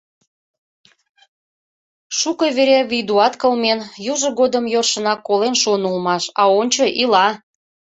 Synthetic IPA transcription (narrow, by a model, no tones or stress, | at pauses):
ʃukəβeɾeβid̪uɑt̪kəlmenjuʒə̆ɣod̪əmjorʃə̆nɑkːolenʃonulmɑʃɑonʲt͡ɕəʔilɑ